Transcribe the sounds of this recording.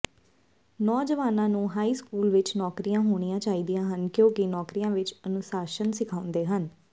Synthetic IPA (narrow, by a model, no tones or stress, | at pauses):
nɔːd͡ʒəʋaːnãːnũːɦaːiːskuːlʋɪt͡ʃnɔːkɾijãːɦoːɽ̃ijãːt͡ʃaːiːd̪ijãːɦənkjõːkinɔːkɾijãːʋɪt͡ʃənʊsaːʃənsɪkʰaːʊ̃nd̪eːɦən